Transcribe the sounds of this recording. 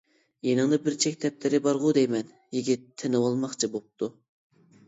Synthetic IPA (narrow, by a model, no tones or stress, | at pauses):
jenɨŋd̪ɑbɪɾt͡ʃʰɛkʲt̪ʰɛp̚lɪɾɪbɑɾʁud̪ejmɛn | jiɡʲit̪ʰːɪnɨwɑlˠmɑχt͡ʃʰibop̚t̪ʰu